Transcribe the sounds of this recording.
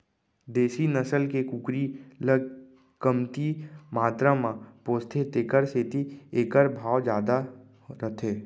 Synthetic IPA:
d̪eːsinəsəlkekukɾiləɡ | kəmt̪imaːt̪ɾamãpoːst̪ʰet̪eːkəɾset̪ieːkəɾbʱaːʋd͡ʒjaːd̪a | ɾət̪ʰeː

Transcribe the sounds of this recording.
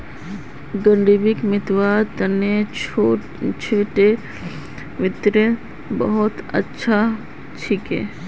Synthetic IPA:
ɡəɳɖibɪkmɪt̪ʋat̪əne | t͡ʃʰeʈe | ʋɪt̪ɾə | bəɦʊt̪ə̰tːʃʰa | t͡ʃʰikɦɛ̰ː

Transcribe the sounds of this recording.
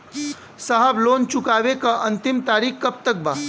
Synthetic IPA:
saɦəbloːnt͡ʃʊkaːʋekaʔɐ̃nt̪ɪmt̪aːɾiːxkɐp̚t̪ək̚baː

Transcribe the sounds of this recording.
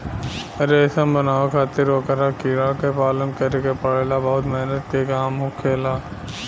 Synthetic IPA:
ɾeːsə̃mbənaːʋekʰaːt̪ɪɾʋəkəɾakiɽakepaːlənkəɾekepɐɽeːlabɐɦʊt̪mɛɦnət̪kekaːmɦʊkʰeːlaː

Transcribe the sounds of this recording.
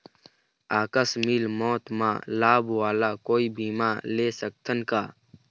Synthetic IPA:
aːkəsmilmɔːt̪mã̰ːlaːbwaːlaːkoːibiːmaːleːsək̚t̪ʰənkaː

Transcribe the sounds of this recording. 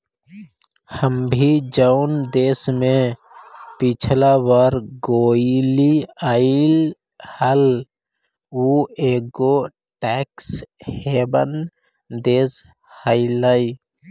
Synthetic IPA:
həmbʱid͡ʒaʊnd̪eːsmẽ | pit͡ʃʰlaʋaɾɡoːiliaɪl | həl | ueːɡo | ʈɛkshebən | d̪eːs | haɪlai

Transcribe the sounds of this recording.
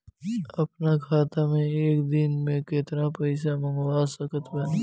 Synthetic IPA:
ɐpnakʰaːt̪amẽeːkd̪ɪnmẽket̪ɾapɐɪsamɐŋʋaːsɐkət̪bɐn

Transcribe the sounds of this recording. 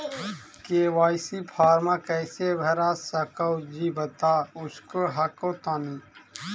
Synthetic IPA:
keːwaːjsipʰaːɾmakɛːsebʱəɾasəkəwd͡ʒiːbɐt̪aʊskoɦɐkot̪aːni

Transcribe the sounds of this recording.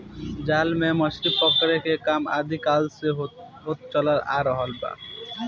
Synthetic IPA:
d͡ʑalmɛmɔʃɾipɔkːaɾekʰekama̰d̪ikalseo | ɦot̪̚t͡ɕɔlaɾa̰ɾɔɦɔlba̰

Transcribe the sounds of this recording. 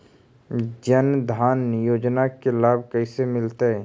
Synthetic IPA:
d͡ʒənd̪ʱaːnjoːd͡ʒnakelaːbʱkəɪsemɪlt̪aɛ

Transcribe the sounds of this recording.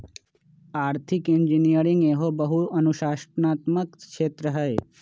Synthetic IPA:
aːɾt̪ʰikind͡ʒinijəɾiŋɡeɦobəɦuənuʃaʃʈnat̪məkʃeːt̪ɾəɦəe

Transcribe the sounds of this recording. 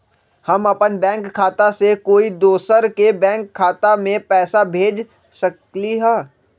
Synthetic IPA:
hɐmɐpənbɛ̃ːŋkʰːaːt̪asekoːid̪oːsəɾkebɛ̃ːŋkʰːaːt̪amẽpɛːsabʱeːd͡ʒ | səkliɦɛː

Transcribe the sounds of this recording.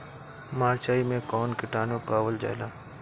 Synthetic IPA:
maːɾt͡ʃaːimẽkɔːnkɪʈaːnõpaːʋəld͡ʒa̰ːjlaː

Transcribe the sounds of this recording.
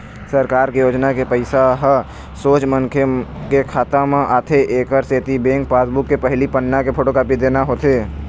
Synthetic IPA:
səɾkaːɾkijoːd͡ʒnakepəɪsaɦə | soːt͡ʃmənkʰekekʰaːt̪amãʔaːt̪ʰeʔeːkəɾseːt̪ibẽːŋk̚paːsbʊkːepɛɦlipənːakepʰoːʈokaːpid̪eːnaɦoːt̪ʰeː

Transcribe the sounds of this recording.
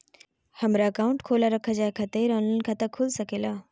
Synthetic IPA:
hɐmɾaɐkaːʊ̃ɳʈkʰoːlaɾɐkʰəd͡ʑaːekʰɐt̪eɾɔːnənɪ̆kʰãt̪ɐkʰʊlsɐkʰeːlaː

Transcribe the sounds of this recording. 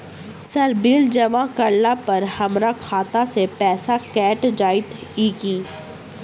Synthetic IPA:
sɐɾbiːld͡ʒɐʋãkɐɾlapɐɾhɐmɾakʰaːt̪asepɛːsakɛːʈd͡ʒaːɪt̪iːkiː

